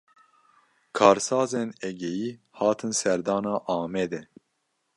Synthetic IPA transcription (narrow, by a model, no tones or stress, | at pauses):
kʰɑːɾsɑːzenɛɡɛjiː | hɑːt̪ʰɨnsɛɾd̪ɑːnɑːʔɑːmɛd̪ɛ